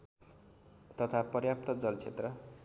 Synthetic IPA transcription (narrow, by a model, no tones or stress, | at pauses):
t̪ʌt̪ʰapʌrjap̚t̪ʌd͡zʌlt͡sʰet̪rʌ